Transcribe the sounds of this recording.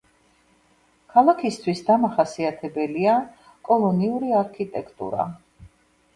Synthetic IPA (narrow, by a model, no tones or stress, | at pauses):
kʰalˠakʰist̪ʰwisd̪amaχasiat̪ʰɛbɛlia | kʼɔlˠɔniuɾiaɾkʰit̪ʼɛkʰt̪ʼṵɾa̰